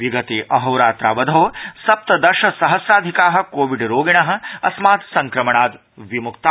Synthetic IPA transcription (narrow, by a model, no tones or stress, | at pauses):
ʋiɡɐt̪eːʔɐɦɐwɾaːt̪ɾaːʋɐd̪ʱɐosɐp̚t̪ɐd̪ɐʃɐsɐɦɐsɾaːd̪ʱikaːɦɐ̆koːʋiɖɾoːɡiɳ̃ɐɦɐ̆ɐsmaːt̪sɐŋkɾɐmɐɳ̃aːd̪ | ʋimukt̪a